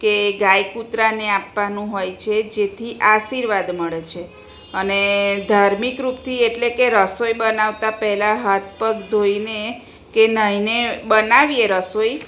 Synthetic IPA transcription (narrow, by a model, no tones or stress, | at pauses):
keɡajkut̪ɾaneapːanũɦojt͡ʃʰed͡ʒet̪ʰiʔasiɾʋad̪məɭet͡ʃʰe | əned̪ʱaɾmikɾupt̪ʰieʈlekeɾəsojbənaʋt̪apəɦɛlaɦat̪̚pəɡd̪ʱoine | kenəɦinebənaʋieɾəsoj